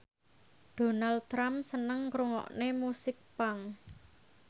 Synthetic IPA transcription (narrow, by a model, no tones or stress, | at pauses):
ɖ̥o̤nalt̪ɾamsənəŋkɾuŋɔ̰ʔnemusɪk̚paŋ